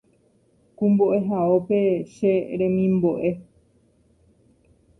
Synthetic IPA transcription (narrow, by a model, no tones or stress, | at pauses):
kũmboʔe̞ɦaope̞ʃe̞ɾẽmĩmbo̞ʔe̞